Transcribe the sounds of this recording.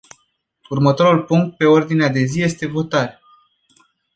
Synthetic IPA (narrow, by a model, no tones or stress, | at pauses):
urmət̪o̞ɾulpuŋk̚t̪̚pe̞o̞rd̪inead̪e̞zije̞st̪e̞vo̞t̪aɾ